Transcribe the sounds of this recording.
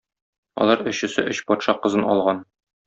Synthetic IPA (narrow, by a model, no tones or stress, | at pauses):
ɒ̰lˠɑɾɵ̆ɕɘ̆sɘʔɵ̆ɕpɒt̪ʃɑqɤ̆zɤnɒ̰lˠʁɑn